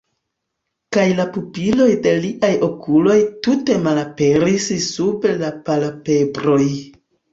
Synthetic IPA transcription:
kajlapupilo̞jde̞liʔajo̞kʰulo̞jtute̞malape̞ɾissupelapalape̞bɾo̞j

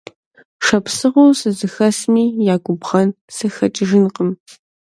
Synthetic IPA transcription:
ʂɐpsɨʁoːsɨzɨxɐsmiːjaːɡʷʊbʁɐn | sɨxɐt͡ʃʼɪʒɪnqəm

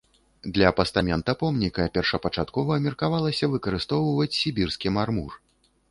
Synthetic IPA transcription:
d̪lʲɐpɐst̪amʲɛnt̪ɐpɔmnʲikɐpʲɛrʂɐpɐt͡ʂat̪kɔvɐmʲɐrkavalˠɐsʲɐvɨkɐɾɨst̪ɔwvɐt͡sʲsʲibʲirskʲimarmur

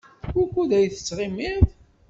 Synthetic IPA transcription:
ukʷːuðæjθə̥t͡sːʁimiθ

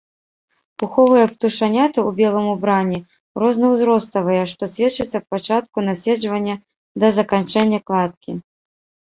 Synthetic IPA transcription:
puxɔvɨjɐpt̪uʂanʲat̪ɨubʲɛlˠɐmubɾanʲi | ɾɔznɐwzɾɔst̪ɐvɐjɐʂt̪ɔsʲvʲɛt͡ʂɨt͡sʲːɐwpat͡ʂat̪̚kunasʲɛd͡ʐvɐnʲːɐ | d̪ɐzɐkant͡ʂɛnʲːɐklˠat̪̚kʲi

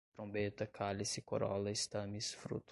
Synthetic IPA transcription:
t̪ɾõbet̪ɐkʰalisɪkoɾɔ̰lɐɪst̪ɐ̃mɪsfɾṵt̪

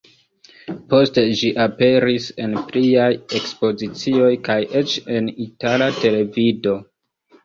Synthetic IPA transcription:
po̞ste̞d͡ʒiʔape̞ɾise̞npliaje̞kspo̞zit͡sio̞jkajʔe̞t͡ʃe̞nitalate̞le̞vido̞

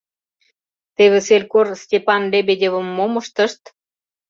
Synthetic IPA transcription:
t̪eβʲĕselʲkorsʲtʲepɑnlebʲedʲevə̆mːomə̆ʃt̪ə̆ʃt̪

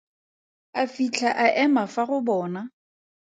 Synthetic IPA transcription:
afit͡ɬʰaʔaʔɛmafaɣʊbɔːna

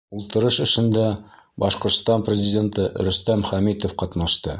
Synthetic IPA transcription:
ulˠt̪ɤ̆ɾɤʃɘ̆ʃɘ̆nd̪æbɒʃqŏɾt̪st̪ɑnprʲɪzʲɪdʲe̞nt̪ɤɾɵ̆st̪æmχæmit̪ŏfqɒt̪nɑʃt̪ɤ

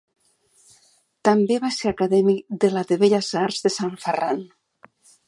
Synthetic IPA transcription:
t̪ambeβaseɾakaðɛmikd̪elaðeβeʎazaɾzðesaɱferan

